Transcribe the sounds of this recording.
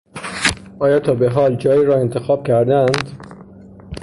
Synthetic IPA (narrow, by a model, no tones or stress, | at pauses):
ʔɒːjɒːt̪ʰɒːbeɦɒːld͡ʒɒːjiːɾɒːe̞nt̪ʰe̞xɒːb̥̚kcʰæɾd̪ænd̪